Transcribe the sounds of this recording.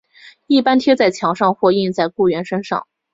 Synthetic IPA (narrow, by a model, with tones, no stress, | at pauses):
i˥˩pa˥nt̪ʰjɛ˥t͡sa˥˩ɪt͡ɕʰjɑ˧˥ŋʂɑ˥˧ŋxwɔ˥˧i˥˧nt͡sa˥˧ɪku˥˩ɥɛ˧˥nʂə˥nʂɑ̰˥˩ŋ